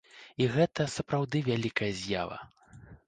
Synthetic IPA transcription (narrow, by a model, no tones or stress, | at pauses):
iɣɛt̪ɐsɐpɾawd̪ɨvʲalʲikɐjɐzʲja̰vɐ̰